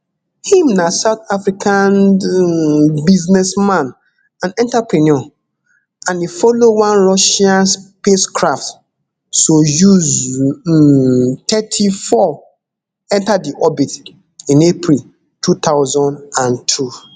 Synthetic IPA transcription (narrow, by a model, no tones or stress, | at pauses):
hĩmnãsat̪afɾikʰãn | biznɛsmãn | ãnɛ̃ntapʰɾinɔ | ãnifɔlowãnɾɔʃiãnspeskʰɾaft | sojuz | tʰɛtʰifɔ | ɛ̃ntadiʔɔbit | ĩnepʰɾil | tʰut̪ʰaʊzɔ̃ndãntʰu